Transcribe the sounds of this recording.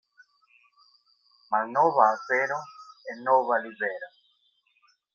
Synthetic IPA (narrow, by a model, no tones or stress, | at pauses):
masnoβaːseɾoŋenoβaliβeɾa